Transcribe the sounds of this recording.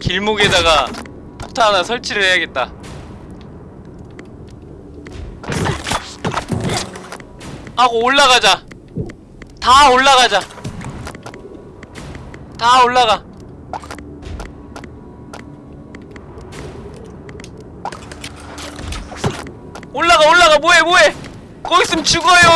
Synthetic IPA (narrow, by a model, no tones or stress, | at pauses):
kiɭmuɡedaɣa | pʰok̚tʰanasʰʌɭt͡ɕʰiɾɯɭhejaɡe̞t̚t͈a | aɡooɭːaɣad͡ʑa | taoɭːaɣad͡ʑa | tawulːaɣa | wulːaɣawulːaɣaɓueɓuwe | koisimt͡ʃikojo